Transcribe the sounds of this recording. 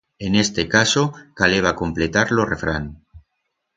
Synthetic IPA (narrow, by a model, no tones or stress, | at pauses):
enest̪ekasokaleβ̞ako̞mplet̪aɾlorefɾan